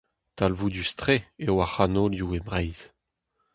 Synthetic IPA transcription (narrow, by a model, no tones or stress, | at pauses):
t̪alvud̪yst̪χeewaχanoljuebʁɛjz̥